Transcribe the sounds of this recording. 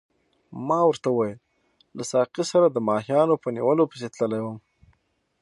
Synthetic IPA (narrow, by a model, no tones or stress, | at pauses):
mɑwəɾt̪auwɑjəl | lasɑqisaɾad̪əmɑhijɑnopənḭwəlopəset̪ləlajwəm